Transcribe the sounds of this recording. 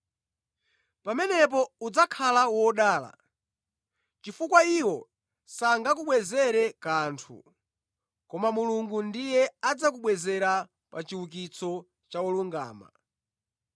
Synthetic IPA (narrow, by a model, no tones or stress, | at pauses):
pamɛnɛp̬ɔud͡zakʰalawɔɗaːla̰ | t͡ʃifukwaiwɔ | saŋɡakuɓwɛzɛɾɛkantʰṵ | kɔmamuluŋɡundijɛad͡zak̬uɓwɛzɛɾa | pat͡ʃiwuk̬it͡sʰɔ | t͡ʃawɔluŋɡa̰ːma̰